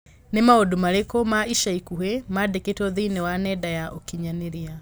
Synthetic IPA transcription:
nemaodumaɾekɔmaiʃaikuɦɛmadeketɔðinɛwanɛdajaʔokiɲaneɾia

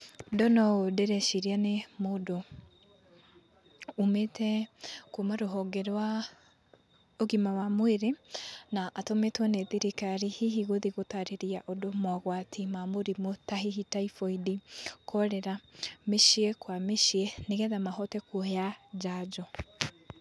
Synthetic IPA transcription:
dɔnɔodeɾɛʃiɾianemoːdo | umetʰɛkumaɾoɦɔɡɛɾwa | oɣimawamoeɾenaʔatometwanɛðiɾikaɾihiɦiɣoðiɣotaɾeɾiaʔodomɔɣwatʰimamoɾimotaɦihitaifoidikʰɔɾɛɾameʃiekwameʃieneɣɛðamaɦɔtɛkuojad͡ʒad͡ʒɔ

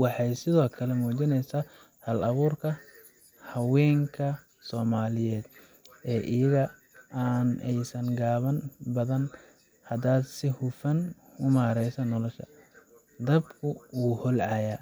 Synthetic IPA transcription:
wɑħɑjsɪðɔːkʰɐlɛmuːt͡ʃɪnɛjsaː | hɐlɐβuːrkʰɐ | hɐwɛːŋkʰɐ | sɔːmaːlɪjɛːd̪ | ɛːʔɪjɐɣɐ | aːnɛjsɐŋɡaːβɐnbɐðɐn | hɐd̪aːd̪sɪhʊfɐn | ʊmaːɾɛjsɐnɔlɔʃɐ̰ | d̪ɐbkʰʊwuːhɔlʕɑjaː

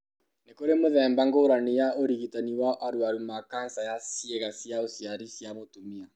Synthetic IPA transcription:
nekoɾemoðɛmbaŋɡoɾanejaoɾiɣitaniwaʔaɾwaɾumakansajasiɛɣasiaosaɾisiamotumia

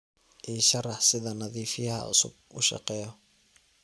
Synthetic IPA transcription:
ʔiːʃɐrɑħsɪðɐnɐðiːfɪjɐɦɐ̰ʔʊ̰sʊ̰b̚ʊ̰ʃɑ̰qɛːjɔ

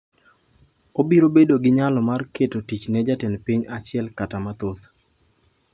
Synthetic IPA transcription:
obiɾobedoɡɪɲalɔmarketotit͡ʃnɛd͡ʒatɛnpiɲat͡ʃɪɛlkatamat̪ot̪

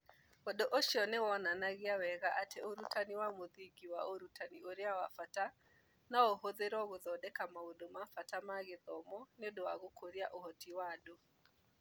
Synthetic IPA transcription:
ɔdoʔoʃiɔnewɔnanaɣeawɛɣaʔatʰeoɾutʰaniwamoðiɡiwaoɾutʰanioɾeawafata | naoɦoðeɾɔɣoðɔdɛkamaodomafatamaɣeðɔmɔneodowaɣokʰoɾiaʔohɔtiwado

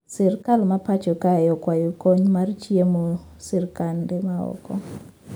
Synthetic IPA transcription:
sirkalmapat͡ʃɔkajɔkwajukɔɲumarit͡ʃijemu | sirkandɛmaɔ̰kɔ̰

